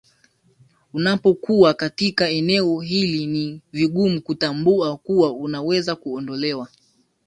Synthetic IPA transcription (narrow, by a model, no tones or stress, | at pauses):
unapɔkuwakatikaɛnɛɔɦiliniviɠumukutambuakuwaunawɛzakuɔndɔlɛwa